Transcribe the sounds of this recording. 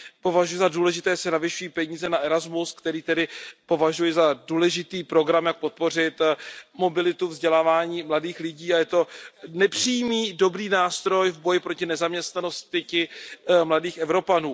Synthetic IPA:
po̞vaʒujɛzaduːlɛʒɪt̪ɛːsɛnavɪʃujiːpɛɲiːzɛnaʔɛɾazmuskt̪ɛɾiːt̪ɛdɪpo̞vaʒujɛzaduːlɛʒɪt̪iːpɾo̞ɡɾamjak̚po̞t̪̚po̞r̝ɪt̪mo̞bɪlɪt̪uvzɟɛlaːvaːɲiːmladiːxlɪɟiːajɛt̪o̞nɛpr̝̥ijmiːdo̞bɾiːnaːst̪ɾo̞jvbo̞jɪpɾo̞cɪnɛzamɲɛst̪nano̞st̪ɪcɪmladiːxɛvɾo̞panuː

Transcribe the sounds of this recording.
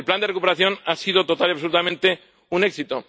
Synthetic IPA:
lpland̪erekupeɾaθjonasiðo̞t̪o̞t̪aliaβsolut̪amẽnt̪e̞ | une̞ksit̪o̞

